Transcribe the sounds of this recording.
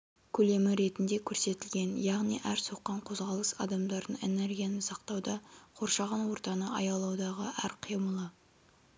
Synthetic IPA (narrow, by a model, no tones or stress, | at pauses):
kʲʰɵle̞mɪɾe̞t̪ɪnd̪e̞kʲʰɵɾse̞t̪ɪlɡʲe̞njɑʁnḭjʔæɾso̞qːɑɴqʰo̞zʁɑlˠəsɑ̰d̪ɑmd̪ɑɾd̪əɴe̞̰ne̞rɡʲijanəsɑqt̪ɑwd̪ɑqʰo̞ɾʃɑʁɑnwo̞ɾt̪ɑnəɑjɑlˠɑwd̪ɑʁəʔæɾqʰijməlˠə